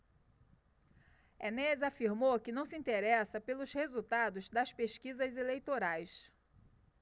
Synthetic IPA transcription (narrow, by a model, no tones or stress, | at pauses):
enɛzafiɾmowkɪnɐ̃w̃sɪĩnt̪eɾɛsɐpelʊzhezut̪ad̪ʊzd̪ɐspeʃkizɐzelejt̪oɾajs